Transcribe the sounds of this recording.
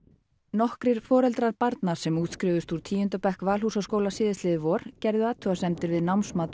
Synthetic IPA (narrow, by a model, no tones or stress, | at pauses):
nɔhkɾɪɾ̥fɔːɾɛlt̪ɾaɾpaɾt̪naɾ̥sɛmuːt̪skɾɪːvʏst̪uɾ̥t̪ʰiːjʏnt̪apɛhkvaːlhusaskoːwlasɪːðɪslɪːðɪvɔːɾ̥cɛɾðʏaːt̪ʰʏasɛmt̪ɪɾvɪðnawnsmaːt̪